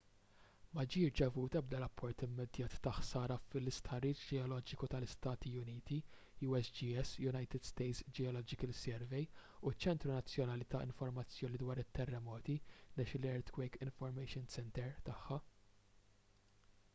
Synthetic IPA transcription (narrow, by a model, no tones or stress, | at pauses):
mɐd͡ʒiːʃd͡ʒɛvuːt̪ɐb̚d̪ɐɾɐpʰːɔɾt̪ɪmːɛd̪jɐːt̪ːɐħsɐːɾɐfɪlɪst̪ħɐriːt͡ʃd͡ʒɛɔlɔːd͡ʒɪkut̪ɐlɪst̪ɐːt̪iʊniːt̪i | juːɛsd͡ʒiːɛsjʊnɐjt̪ɪd̪̥st̪ɛjt̪sd͡ʒɛɔlɔːd͡ʒɪkəlsɛɾvɛjut͡ʃːɛnt̪ɾunɐt͡sːjɔnɐːlit̪ɐʔɪ̰ɱfɔɾmɐt͡sːjɔːnid̪wɐːɾɪt̪ːɛrːɛmɔːt̪inɛʃɪlɛɾt̪kwɛjkɪɱfɔɾmɛjʃɪnsɛnt̪ɛɾt̪ɐħːɐ